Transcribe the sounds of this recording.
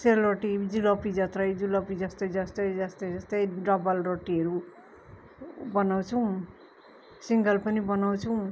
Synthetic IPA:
selɾoʈid͡zulʌpid͡zʌt̪rʌjd͡zulʌpid͡zʌst̪ʌjd͡zʌst̪ʌjd͡zʌst̪ʌjd͡zʌst̪ʌjɖʌbʌlroʈiʌɾu | bʌnaw̃t͡sʰʌw̃ | siŋɡʌlpʌnibʌnawt͡sʰʌw̃

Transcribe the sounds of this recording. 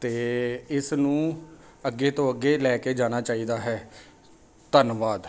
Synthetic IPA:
t̪eːɪsnũː | əɡːeːt̪õːəɡːeːlɛːkeːd͡ʒaːñaːt͡ʃaːiːd̪aːɦɛː | t̪ənʋaːd̪

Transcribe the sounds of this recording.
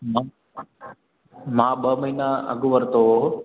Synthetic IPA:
mã | mãːɓəməɦiːnaɐ̰ɡʱʊʋəɾt̪o

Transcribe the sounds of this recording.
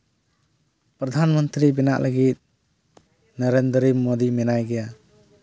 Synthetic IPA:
pɾɔd̪ʱanmɔnt̪ɾibɛna̰ʔləɡit̪̚ | nəɾend̪əɾimod̪imɛnajɡɛja

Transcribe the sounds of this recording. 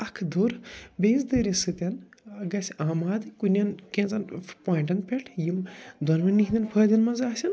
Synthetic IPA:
ɐkʰd̪oɾbʲeːzd̪əːɾʲisɨt̪ʲɐnɡɐsʲaːmaːd̪ɨkunʲɐnkẽːnt͡sɐnpoːjɳʈɐnpʲeʈʰjimd̪ɐnmɐnnikʰʲɦʲd̪ʲɐnpʰəːd̪ʲɐnmɐnzaːsʲɐn

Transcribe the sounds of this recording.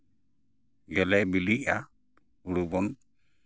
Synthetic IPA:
ɡɛlɛjbiliʔa | uɾubɔn

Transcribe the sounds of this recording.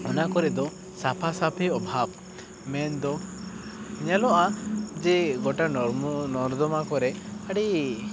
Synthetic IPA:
ɔnakɔɾɛʔd̪ɔ | sapʰasapʰɛɔbʱab̚ | mɛnd̪ɔ | ɲalɔʔad͡ʒɛɡɔʈanɔɾd̪ɔmakɔɾɛʔaɽi

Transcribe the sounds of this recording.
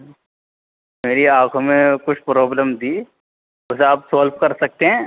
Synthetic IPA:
meːɾiaːkʰõmẽkʊt͡ʃʰpɾɔːbləmd̪iː | ʊseaːpsoːlpkɐɾsɐk̚t̪eɦɛ̃ː

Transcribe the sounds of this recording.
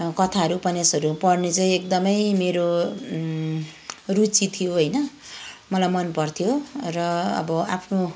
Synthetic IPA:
kʌt̪ʰaɦʌɾupʌnasʌɾupʌrnet͡sʌĩek̚d̪ʌmʌjmeɾo | rut͡sit̪ʰijoɦʌjnʌ | mʌlajmʌnpʌrt̪ʰijorʌʌ̰bʌapʰno

